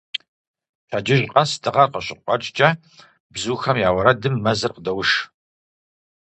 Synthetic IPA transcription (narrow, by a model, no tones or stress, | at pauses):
tʰaːd͡ʒɪʒqʼɐstʰɨʁɐrqəɕɪqʷʼɔʈ͡ʂʼt͡ʃʼɐ | bzuːxɐmjaːwɐɾɐdɨmːɐzɨrqədɐwʊʃ